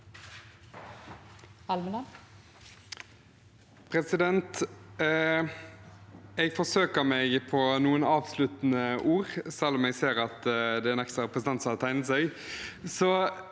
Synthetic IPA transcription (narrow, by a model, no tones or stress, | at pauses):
ɑlmənə | pʰʁɛsɪd̪ɛnt̪ | ɛɡfɔsøːkəmæɡpʰɔnuːənɑːʋslʉt̪nəʔuːʁsɛlːɔmɛɡseːɾɑt̪d̪ɛænɛkst̪ɑʁɛpʰʁəsnt̪ɑnt̪sɑːt̪ʰæɪn̩sœɪsɔ